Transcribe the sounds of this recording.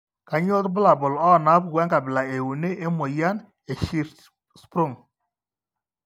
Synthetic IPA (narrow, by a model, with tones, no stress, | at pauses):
ka˨ɲo˦tbʊ˦la˨bʊ˨lɔ˦˨na˦p̚wɛ˦ŋɡa˨bɪ˨la˨e˨wu˨ni˦ʔe˦mo˨ja˦n | e˨ʃi˦ɾ | spɾʊ˦˨ŋ